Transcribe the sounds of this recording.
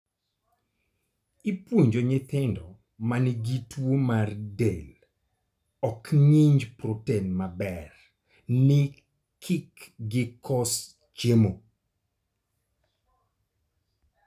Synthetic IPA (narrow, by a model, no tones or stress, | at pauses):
ipwoɲd͡ʒoɲɪt̪ɪndɔ | manɪɡitwomardel | ɔkɲɪɲd͡ʒprotenmabɛr | nɪ | kʰɪkɡɪkʰɔs | t͡ʃemo